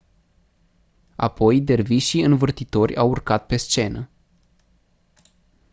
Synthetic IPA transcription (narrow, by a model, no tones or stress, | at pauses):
a̰po̞jd̪e̞rviʃiɨnvɨrt̪it̪o̞rʲawurkat̪̚pe̞st͡ʃe̞nə